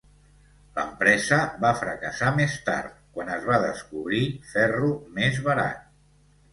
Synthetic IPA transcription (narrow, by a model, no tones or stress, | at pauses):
lə̰mpɾɛzəβafɾəkəsamest̪a̰ɾt̪̚kwanəzβaðəskuβɾifɛrumezβəɾa̰t̪̚